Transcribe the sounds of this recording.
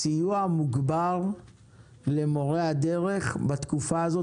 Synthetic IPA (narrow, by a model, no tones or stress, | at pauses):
sijuamuɡbal | le̞mo̞ʁead̪eʁe̞χbat̪kufaːzo